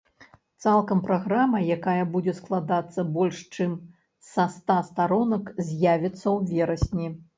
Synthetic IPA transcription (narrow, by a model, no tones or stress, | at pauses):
t̪salˠkɐmpɾaɣɾamɐjakajɐbud͡zʲɛsklˠad̪at̪sːɐbɔlʲʂt͡ʂɨm | sɐst̪ast̪aɾɔnɐkzʲjavʲit̪sːɐwvʲɛɾɐsʲnʲi